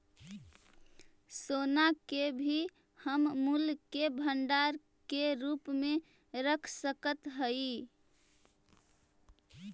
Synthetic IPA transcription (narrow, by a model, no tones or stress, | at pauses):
sonakebʱi | həmmulkebʱəɳɖaɾ | keɾupmẽ | ɾəkʰsəkət̪ɦəi